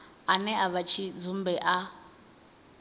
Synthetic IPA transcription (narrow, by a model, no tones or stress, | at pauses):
anɛaβat͡ʃʰid͡zum̩bɛʔa